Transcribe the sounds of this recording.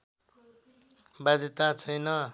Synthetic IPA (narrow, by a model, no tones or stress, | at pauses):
bad̪ʱjʌt̪at͡sʰʌjnʌ